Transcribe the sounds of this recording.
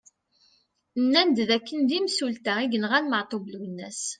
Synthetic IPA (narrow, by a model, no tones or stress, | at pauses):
nːænd̪ðækːənd̪imsult̪æiɡənʁænməʕt̪ˤobluwnːæs